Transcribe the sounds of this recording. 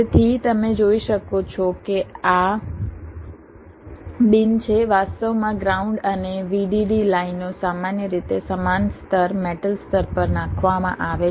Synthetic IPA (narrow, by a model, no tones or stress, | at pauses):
et̪ʰit̪əmẽd͡ʒoiʃəkot͡ʃʰɔkea | ɓɪnt͡ʃʰeʋast̪əʋmãɡɾauɳɖəneʋiɖiɖilainːosamanjəɾit̪esəmanst̪əɾmeʈəlst̪əɾpəɾnãkʰʋamã̰ʔaʋe